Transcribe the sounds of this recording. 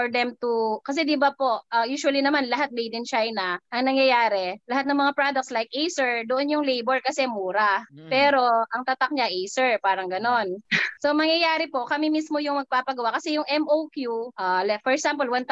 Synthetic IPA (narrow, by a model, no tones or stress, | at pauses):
fɔɹd̪ɛmt̪ukɐs̬ɛd̪ɪbapo̞ʔʔɐjuːʃʊɐlinɐmanlɐɦat̪̚mɛjd̪ɪnt͡ʃajnɐʔɐŋnɐŋjɐjaːɾɛlɐɦat̪nɐŋmɐŋapɾad̪ɐk̪̚slajkʔejsɛɹd̪oʔonjʊŋlejboɹkɐsɛmuːɾɐpɛːɾo̞ʔɐŋt̪ɐt̪ak̚ɲaʔejsɛɹpaːɾɐŋɡɐno̞nsomɐŋjɐjaːɾɪpo̞ʔkɐmimismojʊŋmɐɡ̚paːpɐɡɐwaʔkɐsɛjʊŋʔɛmʔowkjuʔaːlɛfɔɹɛksampɐlwɐnt̪